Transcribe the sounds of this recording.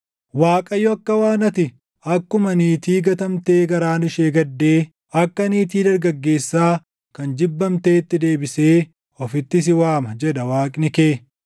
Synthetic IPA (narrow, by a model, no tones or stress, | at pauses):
waːkʼɐjɔɐkːɐwaːnɐt̪ɪ | ɐkːʊmɐniːt̪iːɡɐt̪ɐmt̪e̞ːɡɐɾaːnɪʃeːɡɐd̪ːe̞ː | ɐkːɐniːt̪̬iːd̪ɐɾɡɐɡːe̞ːsːaː | kɐnd͡ʒɪbːɐmt̪e̞ːt̪ːɪd̪e̞ːbɪse̞ː | ɔfɪt̪ːɪs̬ɪwaːmɐd͡ʒɛd̪ɐwaːkʼnɪkeː